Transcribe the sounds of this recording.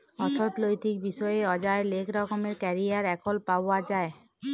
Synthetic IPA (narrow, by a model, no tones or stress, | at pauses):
ɔt̪ʰot̪lojt̪ik̚biʃɔeeɔd͡ʑaelekɾɔkomeɾkɛɾijaɾɛkolpawad͡ʑae